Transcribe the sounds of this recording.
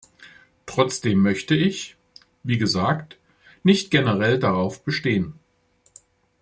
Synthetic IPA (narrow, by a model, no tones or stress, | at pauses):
tʁ̥ɔt͡sd̥eːmːœçtəɪç | viːɡəzaːkt | nɪçt̚ɡ̥ɛnəʁɛldaʁaʊfb̥əʃteːən